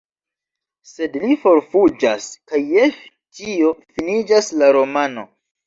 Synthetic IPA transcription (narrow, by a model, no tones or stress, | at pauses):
se̞dlifo̞ɾfud͡ʒaskajef | tio̞finid͡ʒaslaɾo̞mano̞